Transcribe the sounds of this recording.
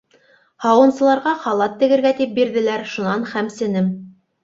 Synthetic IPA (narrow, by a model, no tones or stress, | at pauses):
hɑwɤ̆nsɤ̆lˠɑɾʁɑχɑlˠɑt̪ːɘ̆ɡɘ̆ɾɡæt̪ip̚biɾðɘ̆læɾʃunɑnχæmsɘ̆nɘm